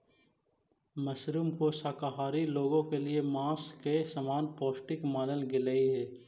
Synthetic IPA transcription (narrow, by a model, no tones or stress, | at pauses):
mɐsɾuːmkosaːkaɦaːɾiloːɡõkeliemãːskesɐmaːnpɔːsʈɪkmaːnəlɡɪləiɦɛː